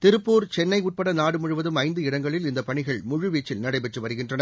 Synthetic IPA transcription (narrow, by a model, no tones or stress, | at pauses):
t̪ɪɾɯpːuːɾt͡ʃɛnːɐɪʊʈ̚pɐɽɐnaːɽɯmʊɻɯʋɐðɯmɐɪnd̪ɯɪɽɐŋɡɐɭɪlɪnd̪ɐpɐɳɪɣɐɭmʊɻɯʋiːt͡ʃːɪlnɐɽɐɪpɛʈrɯʋɐɾɯɣɪndrɐnɐ